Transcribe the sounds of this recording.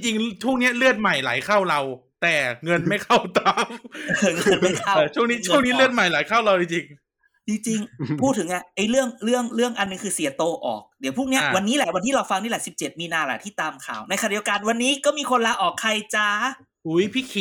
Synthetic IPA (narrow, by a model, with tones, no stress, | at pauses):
ŋt͡ɕi˧ŋt͡ɕʰuː˥˩ŋni˦˥ɐlɯ˥˩ət̪̚ma˨˩jla̰˩˦jkʰa˥˩wɾa˧wt̪ɛː˨˩ŋɤ˧nma˥˩jkʰa˥˩wt̪aː˧˥mŋɤ˧nma˥˩jkʰa˥˩t͡ɕʰu˥˩niː˦˥t͡ɕʰŋniː˦˥lɯ˥˩ət̪̚ma˨˩jlaː˨˩˦jkʰa˥˩wla˧wt͡ɕi˧ŋt͡ɕi˧ŋ | t͡ɕi˧ŋt͡ɕi˧ŋpʰuː˥˩t̪ʰːɯ˨˩˦ŋʔa˧˩ʔa˧˩jlɯ˥˩əŋlɯ˥˩əŋlɯ˥˩əŋʔa˧nːɯ˨˧ŋkʰɯː˧si˩˦ɐt̪oː˧ʔɔ̰ː˨˩k̚di˩˦pʰu˥˩ŋni˦˥ɐ˧wa˧nːiː˦˥lɛ˧˩wa˧nt̪ʰiː˥˩ɾa˧wfa˧ŋniː˥˩lɛ˨˩˦si˨˩p̚t͡ɕe˨˩t̪̚miː˧naː˧la̰ː˨˩t̪ʰiː˥˩t̪aː˧mkʰaː˨˩wna˧jʰxa˧n˨˩di˧wka˧nwa˧nːiː˦˥kɔː˥˩miː˧kʰo˧nlaː˧˥wʔɔː˨˩kʰːa˧jt͡ɕaː˧ | ʔu˨˦˥jpʰiː˥˩kʰi˧˩